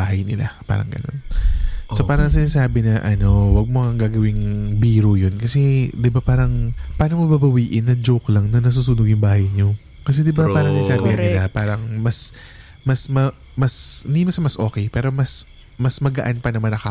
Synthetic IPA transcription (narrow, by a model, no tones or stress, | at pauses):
aːɦɐjnɪ̰lapa̰ːɾɐ̰ŋɡɐ̰no̞̰nsopaːɾɐŋsɪnaːsaːbɪnɐʔɐno̞wɐɡ̚moŋɐŋɡaːɡɐwɪŋbiːɾujonkɐsɛd̪ɪbapaːɾɐŋpaːnoŋmɐbabɐwiːʔɪnːɐd͡ʒowklɐŋnɐnɐs̬uːsuːnoɡjʊŋbaːhɐjɲo̞ | kɐs̬ɛd̪ɪbapaːɾɐŋsɪnaːsaːbɪkɐnɪlapaːɾɐŋmɐs | mɐsmɐ | mɐsɪnd̪imɐsɐmɐsʔo̞̰ːkɛjpɛːɾo̞mɐs | mɐsmɐɡɐʔanpɐnɐmɐnɐka